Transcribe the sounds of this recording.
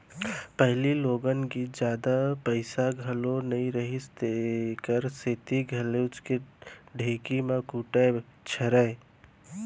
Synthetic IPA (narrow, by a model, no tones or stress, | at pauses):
pəɦɪliloɡənɡid͡ʒjaːd̪apəɪsaɡʱəlonəĩɾəɦist̪ekəɾseːt̪iɡʱəlet͡ʃkeɖʱeːkimakuʈət͡ʃʰəɾaj